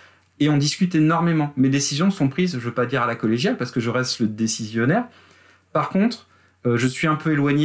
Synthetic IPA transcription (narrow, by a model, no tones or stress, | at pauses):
eɔ̃d̪iskʲyt̪enɔʁmemɑ̃med̪esizjɔ̃sɔ̃pχizʒəvøpad̪iʁalakɔleʒjalpaʁsə̥kəʒəʁɛst̪ləd̪esizjɔnɛʁ | paʁkɔ̃t̪χ | øʒəsɥiɛ̃pøelwaɲe